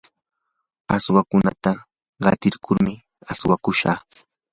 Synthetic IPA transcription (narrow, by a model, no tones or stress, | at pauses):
aswakʊna̰t̪a | ɢɑt̪ɪɾkʰʊɾmɪ | aswakʊʃa̰ː